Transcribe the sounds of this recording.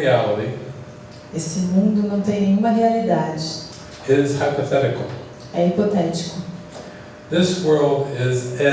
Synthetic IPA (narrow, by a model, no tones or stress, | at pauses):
iælˠəɾi | esɪmũnd̪ʊnɐ̃w̃t̪ẽj̃nẽj̃ũmɐɦealid̪ad͡ʒɪ | ɪz̥haɪpəθɛɾɨkl̩ˠ | ɛipot̪ɛt͡ʃi̥kʊ | ðɪswɜ˞lˠdɪzɛ